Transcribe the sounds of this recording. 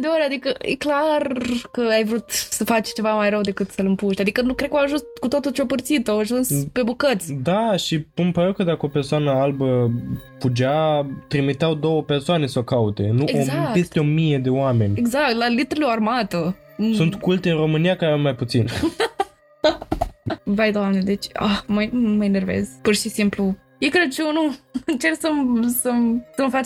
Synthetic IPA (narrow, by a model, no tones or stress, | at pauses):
d̪eoɾʲad̪ikəjeklarkəajvɾut̪səfat͡ʃʲt͡ʃe̞vamajrəwd̪e̞kɨt̪səlɨmpuʃt̪ʲad̪ikənukɾekoaʒunskut̪o̞t̪ult͡ʃeopɨrt̪sit̪oaʒunspe̞bukət̪sʲd̪aʃiɨmpəɾewkəd̪akəope̞rsoanəalbəfud͡ʒat̪ɾimit̪eawd̪o̞wəpe̞rsoane̞sokaut̪e̞̰nueozapest̪eo̞mije̞d̪e̞oame̞nʲeɡzak̚t̪lalit̪ɾelearmat̪ə | sunt̪kult̪eɨnɾo̞mɨnijakaɾaamːajput̪sin | bajd̪oamned̪e̞t͡ʃʲa̰xməməinervḛz̥purʃisimplu | jewkɾe̞d̪̚t͡ʃeunuɨnt͡ʃe̞rksəmsəmsəmfat͡ʃ